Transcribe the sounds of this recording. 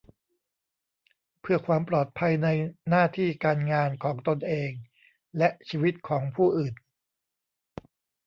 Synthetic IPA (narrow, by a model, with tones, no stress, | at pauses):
pʰɯ˥˩ɐkʰwaː˧mpɾɔː˨˩t̪̚pʰa˧jna˧jnaː˥˩t̪ʰiː˥˩kaː˧nŋaː˧nkʰɔː˩˦ŋt̪o˧nʔeː˧ŋ | lɛ˦˥ʔt͡ɕʰiː˧wi˦˥t̪̚kʰɔː˩˦ŋpʰuː˥˩ʔɯː˨˩n